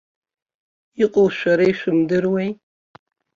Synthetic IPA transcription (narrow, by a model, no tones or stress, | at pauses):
iqʷʼʊlʃʷᶣaɾajʃʷᶣʊmdɨrwej